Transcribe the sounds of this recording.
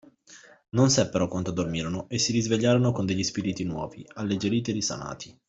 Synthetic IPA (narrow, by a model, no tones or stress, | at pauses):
nonsɛpːeɾokwant̪od̪ormiːɾonoʔesːiɾizveʎːaːɾonokond̪eʎːispiɾit̪inwɔ̰ːvialːed͡ʒeɾiːt̪eɾisa̰na̰ːt̪ʰi